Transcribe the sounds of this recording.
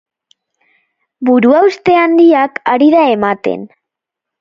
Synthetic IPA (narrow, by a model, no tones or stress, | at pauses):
buɾuawst̪e̞and̪iakaɾiðae̞mat̪e̞̰n